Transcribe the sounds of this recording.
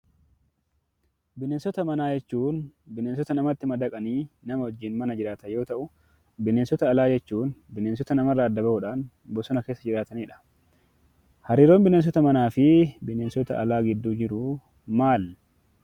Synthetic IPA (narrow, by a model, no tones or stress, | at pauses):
bɪneːnsɔt̪ɐmɐnaːd͡ʒɛt͡ʃːuːnbɪneːns̬ɔt̪ɐnɐmɐt̪ːɪmɐd̪ɐkʼɐniːnɐmɐhɔd͡ʒːiːnmɐnɐd͡ʒɪɾaːt̪ɐjo̞ːt̪ɐʔʊ | bɪneːnsɔt̪ɐːlaːd͡ʒɛt͡ʃːuːnbɪneːnsɔt̪ɐnɐmɐrːɐːd̪ːɐbɐhʊᶑaːn | bɔsɔnɐke̞ːsːɐd͡ʒɪɾaːt̪ɐniːᶑɐ̥ | hɐɾiːɾo̞ːmbɪneːns̬ɔt̪ɐmɐnaːfɪbɪne̞ːnsɔt̪ɐ̰ʔɐlaːɡɪd̪ːuːd͡ʒɪɾʊ | maːl